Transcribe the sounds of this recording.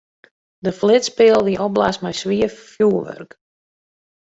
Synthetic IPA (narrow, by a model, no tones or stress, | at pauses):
dəflɪtspɪəlˠʋiʔɔb̚lasmɛjsʋiəfjuəʋø̰rk